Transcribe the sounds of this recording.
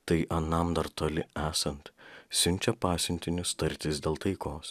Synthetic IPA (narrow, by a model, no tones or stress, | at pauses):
t̪ɐɪʔɐnɐmd̪ɐɾt̪oːlʲɪæːsɐnt̪sʲʊnʲt͡ʃʲɛpɑːsʲʊnʲt̪ʲɪnʲʊst̪ɐɾʲt̪ʲɪsd̪ʲeːlˠt̪ɐɪkoːs